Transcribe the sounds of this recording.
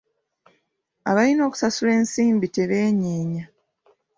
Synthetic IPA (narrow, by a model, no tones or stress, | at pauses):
a̰βalino̞ːku̥sasule̞ːnsiːmbite̞βe̞ːɲeːɲa